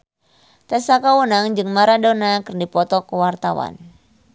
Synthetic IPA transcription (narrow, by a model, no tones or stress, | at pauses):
t̪ɛsakawənaŋd͡ʒɨŋmaɾadonakɨrdipɔt̪ɔkəwart̪awa̰n